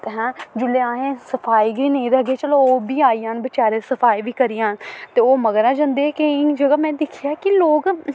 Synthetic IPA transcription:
t̪eɦɛ̃ːd͡ʒʊleːãːɦẽːsəpʰaːiːɡəiːnə̃ĩɾəɡeːt͡ʃəloːoːbiːaːiːãːnbɪt͡ʃaːɾeːsəpʰaːiʋiːkəɾijãːnt̪eːoːməɡɾãːd͡ʒãnd̪eːkeɪd͡ʒəɡaːmɛ̃ːd̪ɪkʰɪjaːkɪloːk

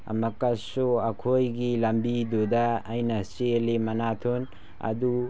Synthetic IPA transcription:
ɐ̰mɐkasuakʰojɡilɐmbid̪odaːjnɐselemɐnat̪ʰun | ɐ̰d̪u

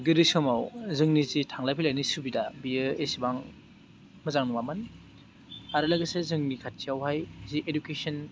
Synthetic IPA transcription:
ɡɯɾɯsɔmawzɯŋnizitʰaŋlajpʰilajnisubidabiɯesibaŋ | mɐzaŋnumamɯn | aɾɯlɐɡɯsezɯŋnikʰat̚sijawɦajziʔedukesɔn

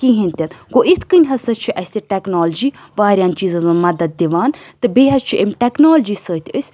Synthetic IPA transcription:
kiɦinʲt̪ʲɐt̪ɡoːʔit̪ʰkɨnʲɦɐsɐt͡ʃʰiʔɐsʲt̪ʲiʈeknoːld͡ʒiː | ʋaːɾʲjaːnt͡ʃiːzɐnzɨmɐd̪ɐd̪̚d̪iʋaːnt̪ɨbeːɦɐst͡ʃʰiʔɐmʲʈeknoːld͡ʒiːsəːt̪ʰʲəsʲ

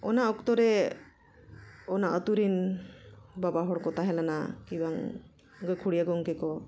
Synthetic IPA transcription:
ɔnaɔkt̪ɔɾɛ | ɔnaʔət̪uɾin | babaɦɔɽkɔt̪aɦɛlana̰kibaŋ | ɡɔkʰuɽijaɡɔŋkɛkɔ

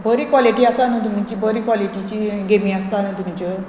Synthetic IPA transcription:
bəɾiːkwɔliʈiːasanũt̪̬um̤it͡ɕiːbʱəɾiːkwɔliʈit͡ɕiɡemiːast̪anũt̪umt͡ɕə

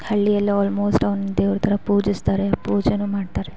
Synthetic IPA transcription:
hɐɭːijɐlːiaːlmo̞ːsʈɐʋnːud̪eːʋɐɾɐt̪ʰɐɾɐpuːd͡ʒist̪aːɾepuːd͡ʒɐnuːmaːɖt̪aːɾe

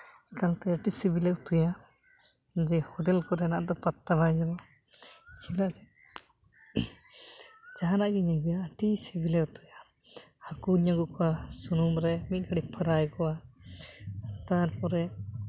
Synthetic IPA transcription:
kalt̪ɛəʈisibilɛt̪uja | d͡ʒɛhɔʈɛlkɔɾɛnaʔd̪ɔpat̪ːabajd͡ʒɛbɔ | t͡ʃʰiblaʔd͡ʒɛ | d͡ʒaɦanaʔɡɛɲaɡijaəʈisibilɛkt̪uja | hakuɲaɡukɔwasunumɾɛmit̪̚ɡəɽipʰəɾajkɔa | t̪aɾpɔɾɛ

